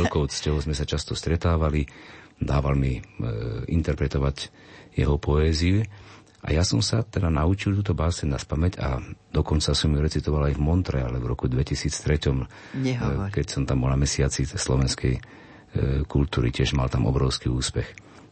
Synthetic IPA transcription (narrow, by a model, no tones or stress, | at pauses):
ɛlkɔʊt͡scɔʊzmɛsat͡ʃast̪ɔst̪ɾɛt̪aːʋalid̪aːʋalmi | int̪ɛɾpɾɛt̪ɔʋaɟ | jɛ̰ɦɔpɔɛːziu | ʔa̰jasɔmsat̪ɛd̪anaut͡ʃilt̪̬uːt̪ɔbaːsɛɲnaspamɛca̰d̪̥ɔkɔnt͡sasɔmjuɾɛt͡sit̪ɔʋalajvmɔnt̪ɾɛalɛvɾɔkud̪ʋɛcisiːt͡st̪ɾɛcɔm | ɲɛkɛcsɔmt̪ambɔlnamɛsɪat͡sislɔʋɛnskɛj | kult̪uːɾḭcɪɛʒmalt̪amʔɔ̰bɾɔʊskiuːspɛx